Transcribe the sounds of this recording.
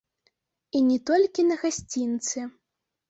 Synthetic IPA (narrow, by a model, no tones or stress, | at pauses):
inʲɛt̪ɔlʲkʲinɐɣasʲt͡sʲint̪sɨ